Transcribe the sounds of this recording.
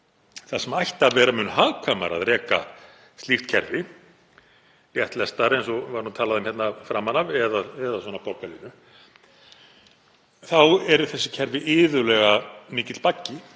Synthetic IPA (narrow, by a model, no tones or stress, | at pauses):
θasɛmajht̪avɛːɾamʏːnʏɦaːðkʰama̰ɾa̰ðɾɛːka̰ | st̪ift̪cʰɛɾvɪ | rjɛht̪lɛst̪aɾejnsɔvaɾhunt̪ʰaːlaðʏmhjɛt̪nafɾaːmːanavɛðaɛðaswɔnapɔɾkaɾlḭnʏ | θawɛɾʏθɛsːɪ̥cʰɛɾvɪʔɪːðʏlɛɣamɪːcɪt̪l̥pacːɪ